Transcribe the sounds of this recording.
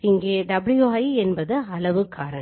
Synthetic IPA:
ɪŋɡeːɖɐbɪlɪjoːɐɪɛnbɐðɯɐlɐʋɯkːaːɾɐɳ

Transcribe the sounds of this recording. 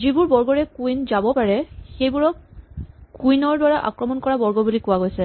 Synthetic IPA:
zibuɹbɔɹɡɔɹɛkuinzabɔpaɹɛxejbuɹɔk̚ | kujnɔɹdwaɹaʔa̰kɹɔmɔnkɔɹabɔɹɡɔbulikowaɡojsɛ

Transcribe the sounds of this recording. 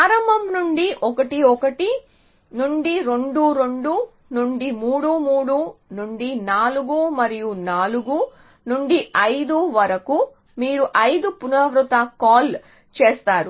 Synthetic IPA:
aːɾɐmbʱɐmnuɳɖiʔɔkɐʈiɔkɐʈi | nuɳɖiɾe̞ɳɖuɾeɳɖu | nuɳɖimuːɽuːmuːɽunuɳɖinaːluɡuːmɐɾijunaːluɡu | nuɳɖiʔɐjd̪uʋɐɾɐku | miːɾuʔɐjd̪upunɐʋɾut̪ɐkaːl | t͡ʃeːst̪aːɾu

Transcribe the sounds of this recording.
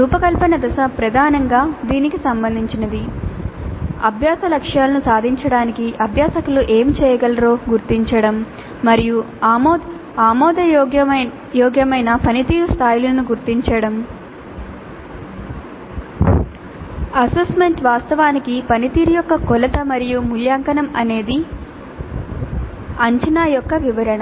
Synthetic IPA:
ɾuːpɐkɐlpɐnɐd̪ɐsɐpɾɐd̪ʱaːnɐŋɡaːd̪iːnikisɐmbɐnd̪ʱiɲt͡ʃinɐd̪i | ɐbʱjaːsɐlɐkʂjaːlɐnusaːd̪ʱiɲt͡ʃɐɽaːnikiʔɐbʱjaːsɐkuluʔeːmt͡ʃɛːjɐɡɐlɐɾo̞ːɡuɾt̪iɲt͡ʃɐɽɐmː | ɐɾiju | aːmɔːd̪ɐɔɡjɐ | jɔːɡjɐmɐjnɐpɐnit̪iːɾust̪ʰaːjulɐnuɡuɾt̪iɲt͡ʃɐɽɐm | ɐsesme̞ɳʈʋaːst̪ɐʋaːnikipɐnit̪iːɾujɔkːɐkɔlɐt̪ɐmɐɾijumuljaːŋkɐnɐmɐne̞ːd̪i | ɐɲt͡ʃɐnaːjɔkːɐʋiʋɐɾɐɳɐ

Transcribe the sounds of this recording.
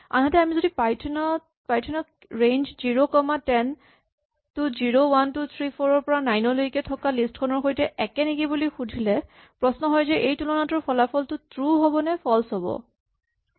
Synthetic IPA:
a̰nɦatɛamizodipajtʰnɔ | pajtʰɔnɔk | ɹejnzziɹokɔmatɛn | tʊziɹowantut̪ʰɹipʰoɹɔɹpɔɹanajnɔloikɛtʰɔkalistkʰɔnɔɹxojtɛʔɛkɛnikibulixudʱilɛ | pɹɔsnɔɦɔjzɛʔejtulɔnatɔɹpʰɔlapʰɔltʊtɹuɦɔbɔnɛpʰɔlsɔbɔ̰

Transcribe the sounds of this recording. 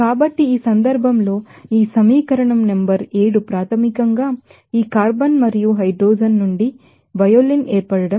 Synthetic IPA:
kaːbɐʈːiiːsɐnd̪ɐɾbʱɐmlo̞ːiːsɐmiːkɐɾɐɳɐmnembɐɾeːɽupɾaːt̪ʰɐmikɐŋɡaː | iːkaːɾbɐnmɐɾijuɦɐjɖɾoːd͡ʒɐnːuɳɖi | ʋɐjolineːɾpɐɽɐɽɐm

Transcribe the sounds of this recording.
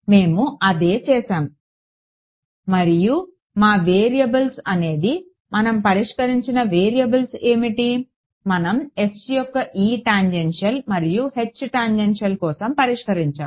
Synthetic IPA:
me̞ːmuʔɐd̪e̞ːt͡ʃɛːʃaːm | mɐɾiju | maːʋeːɾijɐbɐlsɐne̞ːd̪i | mɐnɐmpɐɾiʂkɐɾiɲt͡ʃinɐʋeːɾijɐbɐlse̞ːmiʈi | mɐnɐme̞sjɔkːɐʔiːʈaːɲd͡ʒenʂɐlmɐɾijuhe̞t͡ʃːʈaːɲd͡ʒenʂɐlkɔːsɐmpɐɾiʂkɐɾiɲt͡ʃaːm

